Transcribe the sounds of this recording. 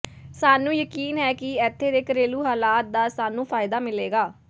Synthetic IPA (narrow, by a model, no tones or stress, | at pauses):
saːnũːjəkiːnɦɛːkɪɛːt̪ʰːeːd̪ekɾeːluːɦaːlaːt̪̚d̪aːsaːnũːpʰaːɪd̪aːmɪleːɡaː